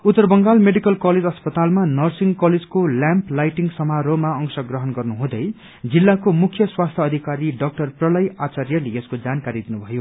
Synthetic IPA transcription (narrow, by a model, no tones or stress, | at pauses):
ut̪ːʌrbʌŋɡalmeɖikʌlkʌled͡zʌspʌt̪almanʌrsiŋɡkʌled͡zkoljãmplajʈiŋsʌmaɾomaʌŋsʌɡrʌɦʌnɡʌrnuɦũd̪ʌj | d͡zilːakomukʰjʌswast̪ʰjʌːd̪ʱikaɾiɖʌk̚ʈʌrprʌlʌjat͡sarjʌleeskod͡zankaɾid̪inubʱʌjo